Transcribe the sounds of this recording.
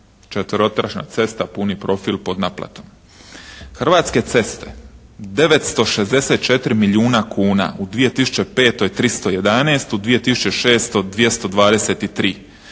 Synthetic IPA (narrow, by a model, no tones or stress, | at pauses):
t͡ʃet̪ʋəɾo̞t̪ɾaʃna̰t̪se̞st̪apunipɾo̞filpo̞d̪naplˠa̰t̪o̞m | xr̩ʋaːt̪ske̞t̪se̞st̪e̞̥d̪e̞ʋet̪st̪o̞ʃe̞zd̪eseːt̪̚t͡ʃe̞t̪ɾimiliuːnakʰuːna̰ud̪ʋije̞t̪isu̥t͡ɕe̞pe̞ːt̪o̞jt̪ɾist̪o̞je̞d̪aneːst̪ud̪ʋije̞t̪isu̥t͡ɕe̞ʃe̞ːst̪o̞d̪ʋije̞st̪o̞d̪ʋaːd̪eseːt̪it̪ɾiː